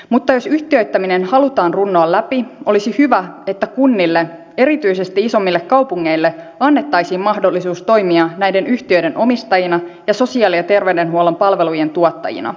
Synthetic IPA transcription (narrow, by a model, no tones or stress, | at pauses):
mut̪ːɑjo̞syht̪iø̞yt̪ːæminenhɑlut̪ɑːnrunːoːlæpio̞lisihyʋæe̞t̪ːækunːilːe | e̞ɾit̪yise̞st̪iiso̞mːilːekːɑwpuŋːe̞ilːe | ɑnːe̞t̪ːɑjsiːmmɑhdo̞lːisuːst̪o̞jmiɑnæjde̞nyht̪iøjde̞nʔo̞mist̪ɑjinɑjɑso̞siɑːliɑt̪e̞rʋewde̞nɦuolempɑlʋe̞luje̞nt̪uot̪ːɑ̰jḭnɑ̰